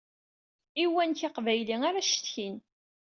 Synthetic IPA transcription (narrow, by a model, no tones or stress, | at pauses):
iwænçɑqvæjliŋaɾaʃt̪çin